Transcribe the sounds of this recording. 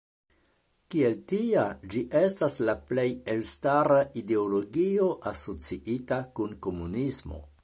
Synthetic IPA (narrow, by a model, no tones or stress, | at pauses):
kie̞ltiad͡ʒiʔe̞staslaple̞je̞lstaɾaʔide̞olo̞ɡio̞ʔaso̞t͡siʔitakunko̞munismo̞̰